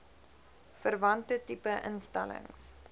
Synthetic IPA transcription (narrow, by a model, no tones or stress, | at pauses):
fərvɐntətipəʔənstɛlə̰ŋs